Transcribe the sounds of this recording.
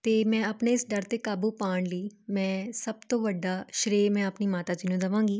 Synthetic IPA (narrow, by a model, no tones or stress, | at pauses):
t̪eːmɛ̃ːəpneːɪsɖəɾt̪eːkaːbuːpaːɳləiːmɛ̃ːsəb̚t̪õːʋəɖːaːʃɾeːmɛ̃ːəpniːmaːt̪aːd͡ʒiːnũːd̪əʋãːŋɡiː